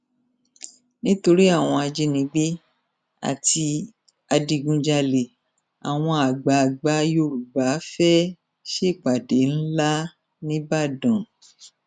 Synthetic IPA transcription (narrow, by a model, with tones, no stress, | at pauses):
nĩ˦to˧ɾi˦a˦˨w̃ɔ̃˧a˧d͡ʒe˧nĩ˧˦ɡ͡bi˦ | a̰˨ti˧ | a˧di˧ɡũ˧d͡ʒa˧le˨ | a̰˨w̃ɔ̃˧a˨ɡ͡ba˨ɡ͡ba˨˦jo˦˨ɾu˨ba˨˦fɛ˦ | ʃe˦˨k͡pa˨de˨˦n̩˦la˦ | nĩ˦ba˦˨dɔ̃˨